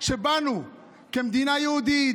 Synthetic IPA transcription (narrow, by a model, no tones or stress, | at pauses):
ʃebanu | kemd̪inajod̪i